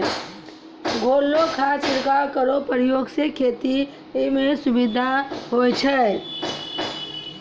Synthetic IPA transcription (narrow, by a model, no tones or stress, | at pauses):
ɡʱoːlːokʰasɾkaɾkəɾopɾjoːɡsekʰeːt̪i | mẽsʊbɪd̪ʱaɦot͡ʃʰɛ